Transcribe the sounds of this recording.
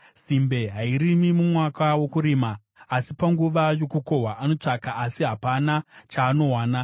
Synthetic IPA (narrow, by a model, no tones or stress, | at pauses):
simbe̞ɦaiɾimimumwakawo̞kuɾiːmaː | sipaŋɡuʋajo̞kuko̞ɦwaʔano̞t͡ʂakaʔaːsiɦapanat͡ʃaːno̞waːna